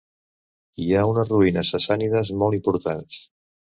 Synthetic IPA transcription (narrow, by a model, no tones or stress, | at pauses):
iaunəzruinəsəsaniðəzmɔlˠimpuɾt̪ans